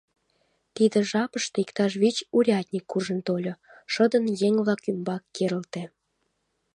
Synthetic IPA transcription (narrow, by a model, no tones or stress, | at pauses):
t̪id̪ə̆ʒɑpəʃt̪eikt̪ɑʃ̬βit͡ɕuɾʲɑt̪ʲnʲikːurʒənt̪olʲoʃəd̪ənjeŋβlɑkymbɑkːeɾəlt̪e